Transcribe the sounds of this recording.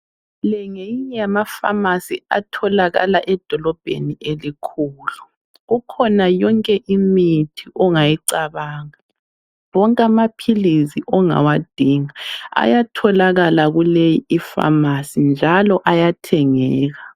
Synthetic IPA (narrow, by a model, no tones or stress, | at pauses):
lɛŋejiɲɛamafa̰masia̰tʰɔlaɣa̰laʔɛd̥ʱɔlɔb̥ʱḛniʔelikʰuːlu | ɣukʰɔnajɔŋkʼɛʔimitʰiʔɔŋajiǀaβaːŋa | wɔŋkʼamapʰiliziʔɔŋa̰wad̥ʱiŋaa̰jatʰɔlaɣalaɣulejiifa̰masind͡ʒʱalɔʔajatʰɛŋɛːɣa